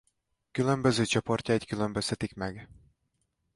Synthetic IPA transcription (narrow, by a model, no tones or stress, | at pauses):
kylø̞mbøzøːt͡ʃopo̞rcaickylømbøst̪ʰɛt̪ikmɛɡ